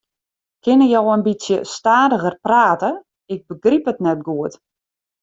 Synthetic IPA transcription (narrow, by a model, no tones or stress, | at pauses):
kʰɪnəjowənbisjəstaːdəɣərpraːtə | ɪɡ̚bəɡripətnɛt̚ɡuət